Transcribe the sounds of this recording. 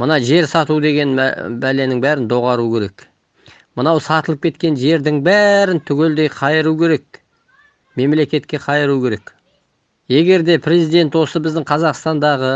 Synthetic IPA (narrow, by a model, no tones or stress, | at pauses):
mənɑʒe̞ɾsɑt̪ud̪e̞ɡʲe̞n̰bæle̞nɪŋbæɾɪnd̪o̞ʁɑɾukʲʰe̞ɾe̞k | mənɑwsɑt̪əlˠəp̚kʲʰe̞t̪kʲe̞nʒe̞ɾd̪ɪŋbæɾɪnt̪ʰʏɡʲe̞ld̪e̞jqʰɑjəɾukʲʰe̞ɾe̞k | me̞mle̞kʲe̞t̪kʲe̞qʰɑjəɾukʲʰe̞ɾe̞k | je̞ɡʲe̞ɾd̪e̞pʰɾe̞zijd̪e̞nt̪wo̞səbɪzd̪ɪŋqʰɑzɑqst̪ɑnd̪ɑʁə